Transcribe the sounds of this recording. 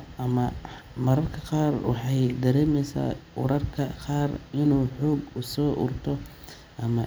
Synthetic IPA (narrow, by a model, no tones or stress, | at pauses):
ɐmɐmɐɾɐrkʰɐqɑːrwɑħɑjd̪ɐɾɛːmɛjsa̰ːʊɾɐrkʰɐqɑːrɪnuːħɔːɡʊsɔːʔʊ̰rt̪ʰɔ | ʔɐmɐ